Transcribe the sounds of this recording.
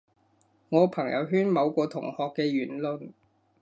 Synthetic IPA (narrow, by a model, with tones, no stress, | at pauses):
ŋɔː˨˧pʰɐ˨˩ŋjɐ̰˨˧wɦyː˥nmɐ˨˧wkɔː˧t̪ʰʊ˨˩ŋhɔː˨kːɛː˧ɥyː˨˩nlɵ˧n